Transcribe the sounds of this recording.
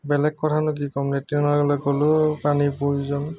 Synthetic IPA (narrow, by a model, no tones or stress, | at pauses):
bɛlɛkkːɔtʰanʊkikɔmnetinaɡɔlɔkolʊpanipujzɔn